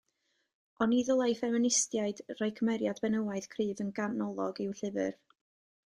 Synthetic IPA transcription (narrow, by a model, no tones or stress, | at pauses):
ɔniðɔlˠajfɛmɪnɪstjaɨdrajkʰəmɛɾjadbɛnəwaɨð̥kʰriːvənɡanɔlˠɔɡɪwɬɪvɨr